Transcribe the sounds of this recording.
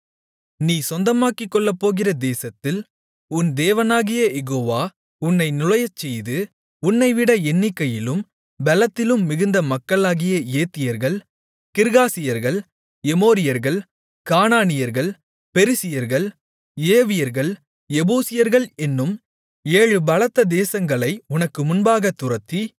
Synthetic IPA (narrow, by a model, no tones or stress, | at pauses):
niːsɔnd̪ɐmaːkɪkːɔɭːɐpːoːɣɪrɐd̪eːsɐt̪ːɪl | ʊnd̪eːʋɐnaːɣɪjɐjɛɣoːʋaː | ʊnːɐɪnʊlɐjɐt͡ʃːɛjðɯ | ʊnːɐɪʋɪɽɐɛnːɪkːɐjɪlɯm | bɐlɐt̪ːɪlɯmːɪɣɯnd̪ɐmɐkːɐɭaːɣɪjɐeːt̪ːɪjɐɾɣɐɭ | kɪɾɣaːsɪjɐɾɣɐɭ | ɛmoːɾɪjɐɾɣɐɭ | kaːnaːnɪjɐɾɣɐɭ | pɛɾɪsɪjɐɾɣɐɭ | eːʋɪjɐɾɣɐɭ | ɛbuːsɪjɐɾɣɐɭɛnːɯm | eːɻɯbɐlɐt̪ːɐd̪eːsɐŋɡɐɭɐɪʊnɐkːɯmʊnbaːɣɐt̪ːʊɾɐt̪ːi